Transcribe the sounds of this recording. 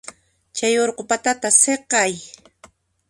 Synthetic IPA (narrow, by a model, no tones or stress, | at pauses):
t͡ʃajoɾqopat̪at̪aseqɑj